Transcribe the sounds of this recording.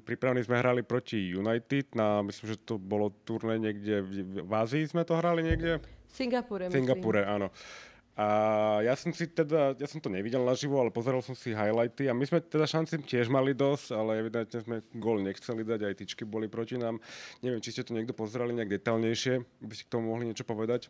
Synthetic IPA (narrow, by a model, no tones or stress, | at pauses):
pɾipɾaʋnizmɛɦɾalipɾɔcijunajt̪id̪namislimʒɛt̪ɔbɔlɔt̪uɾnɛːɲɪɛɡɟɛʋazizmɛt̪ɔɦɾaliɲɪɛɡɟɛsiŋɡapuɾsiŋɡapuɾɛanɔ | ajasɔmsit̪ɛd̪ajasɔmt̪ɔɲɛʋiɟɛlnaʒiʋɔalɛpɔzɛɾalsɔmsiɦajlajt̪iamizmɛt̪ɛd̪aʃant͡sicɪɛʒmalid̪ɔscalɛɛʋid̪ɛnt̪ɲɛzmɛɡɔlɲɛxt͡sɛlid̪aɟajt̪it͡ʃkibɔlipɾɔcinaːmɲɛʋɛmt͡ʃiscɛt̪ɔɲɪɛɡd̪ɔpɔzɛɾaliɲɛaɡ̚d̪ɛt̪aʎɲɛjʃɪɛabiscɛ̥kt̪ɔmumɔɦliɲɪɛt͡ʃɔpɔʋɛd̪ac